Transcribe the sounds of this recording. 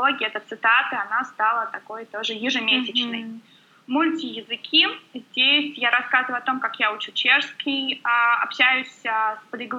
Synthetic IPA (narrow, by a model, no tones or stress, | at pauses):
oɡʲɪjəɛt̪ət̪sɨt̪at̪ɨɐnast̪alˠət̪ɐko̞jt̪o̞ʐɨjɪʐɨmʲesʲɪt͡ɕnə̰j | mulʲtʲijɪzɨkʲʰizʲdʲesʲjaɾɐskazɨvʊjʊɐt̪o̞mkakjaut͡ɕut͡ɕe̞ʂskʲɪjaɐ̰pɕæjʊsʲspəd̪ʲɪɡlˠ